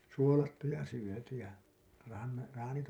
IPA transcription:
suolɑtːu jɑ syøty jɑ rɑn rɑːnit

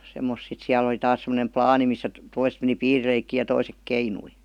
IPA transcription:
semːos sit siæl oli tɑːs semːonem plɑːni misːæ t toiset meni piːrileikːiː jɑ toisek keinui

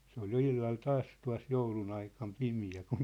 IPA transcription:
se ol jo ilːɑl tɑːs tuɑ̝s joulun ɑikɑm pimiæ kun

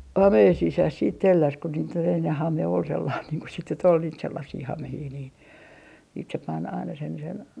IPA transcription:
hɑmeːn sisæs siːt telːæs ko niːt ol enːe hɑme ol selːɑːn niːŋ ku sit nyt ol niːt selːɑsːiː hɑmehiː niːn siːt se pɑn ɑinɑ sen sen

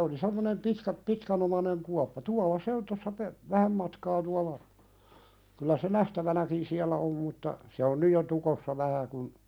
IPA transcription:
oli semːonem pitkæ pitkænomɑneŋ kuɑpːɑ tuɑlˑɑ se on tosːɑ pe ʋæhæm mɑtkɑː tuɑlˑɑ kylːæ se næhtæʋænækin siælˑæ om mutːɑ se on nyj jo tukosːɑ ʋæhæ kun

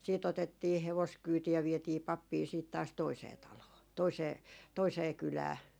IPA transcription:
siːt otetːiː heʋoskyːti jɑ ʋietiː pɑpːiː siːt tɑːs toiseː tɑloː toiseː toiseː kylæː

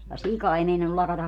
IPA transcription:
jɑ sikɑ ei meinɑnːul lɑkɑtɑ

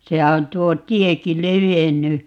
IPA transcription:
sehæ on tuo tieki leʋenːy

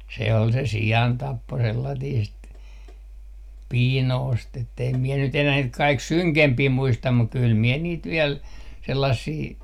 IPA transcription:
se ol se siɑntɑpːo selːɑtiːst piːnoːst etː eim miɛ nyt enæː niːt kɑik syŋkempiː muistɑm muk kyl miɛ niːt ʋiel selːɑsːiː

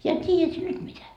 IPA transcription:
jɑ tʲiːjæt sie nyt mitæ

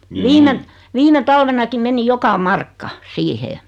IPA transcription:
ʋiːme ʋiːme tɑlʋenɑkim meni jokɑ mɑrkːɑ siːheː

